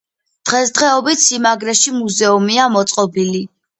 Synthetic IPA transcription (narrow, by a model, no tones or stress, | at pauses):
d̪̥ʁɛsd̪ʁɛɔbit̪simaɡɾɛʃimuzɛumiamɔt̪sʼqʼɔbili